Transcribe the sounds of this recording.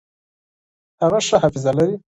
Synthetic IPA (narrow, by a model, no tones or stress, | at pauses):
haɣaʂahafizalaɾi